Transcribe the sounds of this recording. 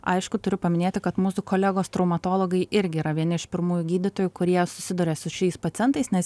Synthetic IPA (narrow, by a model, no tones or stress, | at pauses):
ɐ̰ɪʃkʊt̪ʊɾʲʊpɐmʲɪnʲeːt̪ʲɪkɐt̪muːsʊkoːlʲɛɡoːst̪ɾɐʊmɐt̪oːlˠoɡɐɪʔɪɾʲɡʲɪiːɾɐʋʲiɛnʲɪɪʃpʲɪɾmuːjʊɡʲiːd̪ʲɪt̪oːjʊkʊɾʲiɛsʊ̥sʲɪd̪ʊɾʲeːsʊʃʲɛɪspɐt̪ʲɪɛnt̪ɐɪsnʲɛs